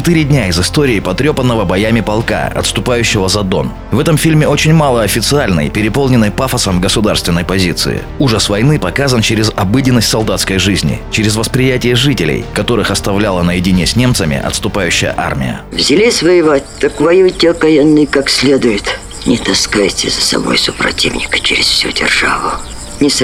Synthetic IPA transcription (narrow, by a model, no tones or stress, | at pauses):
t͡ʃɪt̪ɨɾʲɪdʲnʲaɪzɨst̪o̞ɾʲɪːpɐt̪ɾʲo̞pənːəvəbɐjamʲɪpɐlˠka̰ɐ̰t̪st̪ʊpajʉɕːɪvəzɐd̪o̞̰n | vɛt̪əmfʲilʲmʲɪo̞t͡ɕɪnʲmalˠəɐfʲɪt̪sɨalʲnə̰jpʲɪɾʲɪpolˠnʲɪnːəjpafəsəmɡəsʊd̪arst̪vʲɪnːəjpɐzʲit̪sɨ̰ɪ̰ | uʐəsvɐjnɨpɐkazənt͡ɕeɾʲɪzɐbɨdʲɪnːəsʲtʲsɐlˠd̪at̪skəjʐɨzʲnʲɪ̰t͡ɕɪɾʲɪzvəspɾʲɪjætʲɪjəʐɨtʲɪlʲḛjkɐt̪o̞ɾɨxɐst̪ɐvlʲalˠənəjɪdʲɪnʲesʲnʲe̞mt̪səmʲɪ̰ʔɐ̰t̪st̪ʊpajʉɕːɪ̰jə̰ʔa̰rmʲɪ̰jə̰ | vzʲɪlʲisʲvəjɪvat̚ʲt̪əkvɐjutʲekɐjɛnːɨjkaksʲlʲed̪ʊjʊt̪ | nʲɪt̪ɐskajtʲɪzəsɐ̰bo̰jsʊpɾɐ̰tʲivnʲɪkə̥t͡ɕɪɾʲɪsfsʲudʲɪ̰rʐa̰vʊ | nʲɪs